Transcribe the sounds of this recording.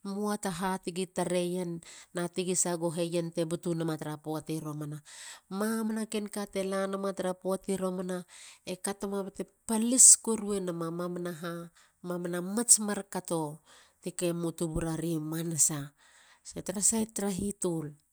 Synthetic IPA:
muataɦatiɡitaɾe̞janːatiɡisaɡoɦe̞jente̞butunamataɾapoatiɾomanamamanakenkate̞lanamataɾapoatiɾo̞manaekato̞mabatepaliskoɾue̞namamamanaɦa | mamanamat͡ʃmaɾkato̞tikemutubuɾaɾimanasa | setaɾasajtɾaɦitul

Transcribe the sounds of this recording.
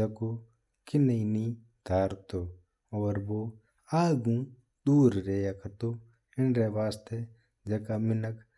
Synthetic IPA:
ɐko | kɪnəini | d̪ʱaːɾt̪oː | oːɾboː | aːɡũː | ɗ̪uːɾɾeːjakʰɐt̪oː | ɪnɾeːʋaːst̪e | d͡ʒɐkaːmɪnək

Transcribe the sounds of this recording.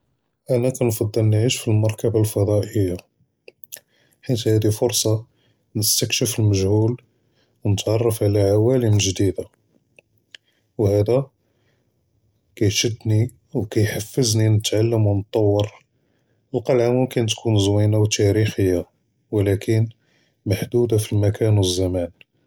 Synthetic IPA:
ʔænækænfɑd̪ˤːəlnʕiʃfilmɑɾˤkəbalfɑd̪ˤɑʔəjːa | ħit̪hæd̪ifʊɾsˤɑ | nəst̪əkʃəfəlməʒhul | wnət̪ʕɑrˤːɑfʕlæʕawæləmʒd̪id̪a | whæd̪æ | kæjʃəd̪ːni | wkæjħafːəzninət̪ʕalːəmwnt̪ˤːɑwːəɾ | əlqɑlʕamʊmkənt̪kʰunzwinawt̪æɾixəjːa | wlækʰən | maħd̪ud̪afilmækʰænwəzːæmæn

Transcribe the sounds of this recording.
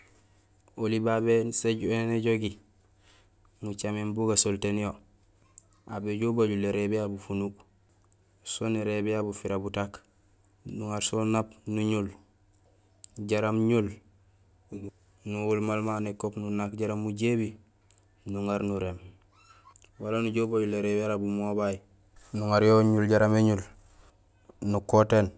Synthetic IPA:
olibabeseɟeneɟoɡi | ŋut͡ʃamembuɡasoltenijo | abeɟobaɟuleɾebiabufunuk | soneɾebiabufiɾabutak | nuŋaɾsonapnuɲul | ɟaɾamɲul | nuwulmalmanekopnunakɟaɾamuɟebi | nuŋaɾnuɾem | walanuɟobaɟuleɾebaɾabumobaji | nuŋaɾjoɲulɟaɾameɲul | nukoteːn

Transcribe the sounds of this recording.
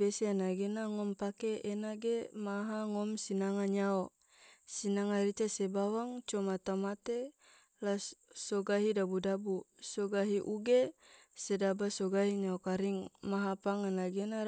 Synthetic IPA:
eseanaɡenaŋɔmpakeːnaɡemaɦaŋɔmsinaŋaɲao | sinaŋaɾit͡ʃasebawaŋt͡ʃɔmat̪amat̪e | lassoɡaɦidabudabusɔɡaɦiʔuɡe | sedabasoɡaɦiɲaokaɾiŋmaɦapaŋanaɡena

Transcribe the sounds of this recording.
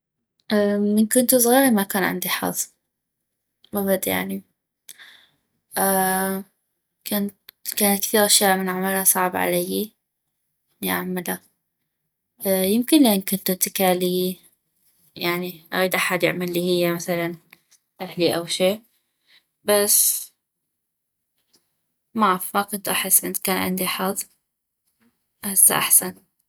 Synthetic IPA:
ʔamɪnkʊnt̪us̬ˤɣiːɾimakaːnʕɪ̰nd̪iħɑ̰ðˤ | mabad̪ja̰ʕni | ʔa | kant̪kaːnat̪kθiːɾʔaʃjaːʔmɪnʕamalasˤɑʕbʕa̰lajːi | ʔɪnːiʔa̰ʕmala | jɪmkɪnlʔɪːnkʊnt̪ʊt̪ɪkaːliː | jaʕniʔaɣiːd̪ʔaħad̪jɪ̰ʕmalːihɪjːamaθalan | ʔahliʔawʃeː | bas | mafmakʊnt̪ʔaħɪsːʔɪ̰nt̪kaːnʕɪ̰nd̪iħɑðˤ | ʔahasːa̰ʔa̰ħsan

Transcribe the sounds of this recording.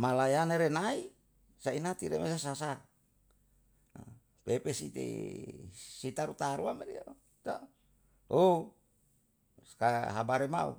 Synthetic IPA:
malajaneɾenai | sainat̪iɾemesasasa | pepesit̪ḛ | sit̪aɾut̪aɾuameɾḭo | t̪o | o | kaɦabaɾema̰ṵ

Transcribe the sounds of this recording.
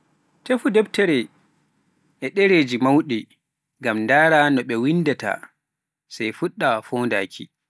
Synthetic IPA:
tefudɛbtɛɾɛ | ʔɛɗɛɾeːd͡ʒimawɗi | ŋɡamndaːɾanɔɓɛwindata̰ | sajfuɗːafonda̰ːkʰḭ

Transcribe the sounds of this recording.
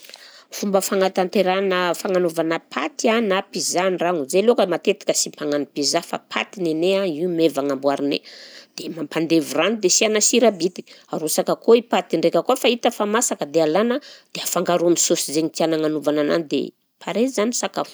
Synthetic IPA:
fumbəfaŋat̪ant̪eɾanəfaŋanovanəpʰat̪ianapizaniraŋuzelokəmat̪et̪i̥kəsimpaŋanipizafa̰pʰa̰t̪ineneaiumevaŋambwaɾinḛd̪̥emampand̪evuranid̪esianasiɾabit̪i̥aɾusakəkoipat̪iɳɖ͡ʐekʲəkuafait̪əfamasakəd̪ealanəd̪̥eafaŋɡaɾuamisosizeɲit̪ianaŋanuvanana̰nid̪ḛ | pʰaɾezzanisaka

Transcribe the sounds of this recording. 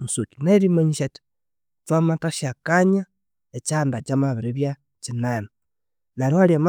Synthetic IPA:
musokinaeɾimaɲiʃati̥ | twamataʃiakaɲa | et͡ʃandat͡ʃamaβiɾiβja | t͡ʃinana | naɾiwaɾjam

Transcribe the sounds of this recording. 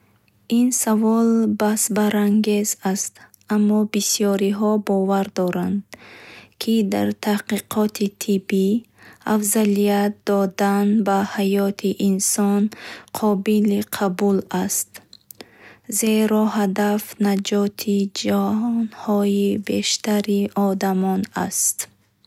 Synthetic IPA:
insavɔlbasbaɾaŋɡe̞zast̪ | ʔamːɔbisiɔɾiɦɔbɔvaɾd̪ɔɾand̪kʰid̪a̰ɾt̪ʰahqiqʰɔt̪ʰit̪ʰibi | afzalijat̪̚d̪ɔd̪anbahajɔt̪ʰiʔinsɔnqʰɔbiliqʰabulast̪ | ze̞ɾɔhad̪afnad͡ʒɔt̪ʰid͡ʒahɔnhɔjibe̞ʃt̪aɾiʔɔd̪amɔna̰st̪

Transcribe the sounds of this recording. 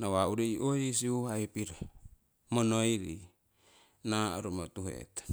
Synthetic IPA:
nawauɾiiʔoisiuɦaipiɾa | monoiɾi | naɾumot̪uɦḛt̪

